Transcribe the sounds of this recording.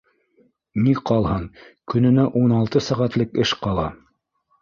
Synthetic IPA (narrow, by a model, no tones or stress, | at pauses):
niqɑlˠhɤɴkɵ̆nɵ̆næʔunɑlˠt̪ɤsæʁæt̪lɘkɘʃqɑlˠɑ